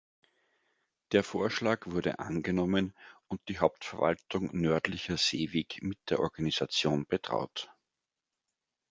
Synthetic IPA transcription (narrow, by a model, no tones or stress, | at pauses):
d̥eːɐfoːɐʃlaːkv̥ʊɐɾə̰ʔa̰nɡənɔmənʊnt̚d̥iːɦaʊp̚tfɛɐva̰ltʰʊŋnœɐtlɪçɐz̥eːveːkmɪt̚d̥eːɐʔɔɐɡanizat͡sjoːnb̥ətʁ̥a̰ʊt